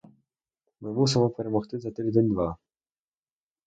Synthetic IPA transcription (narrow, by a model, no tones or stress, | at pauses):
mɪmusɛmɔpɛɾɛmɔxt̪ɪzɐt̪ɪd̪enʲd̪ʋɑ